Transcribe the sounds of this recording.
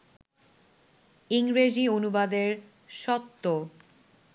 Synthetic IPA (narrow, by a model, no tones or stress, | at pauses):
iŋɾed͡ʑionubad̪eɾ | ʃɔt̪ːo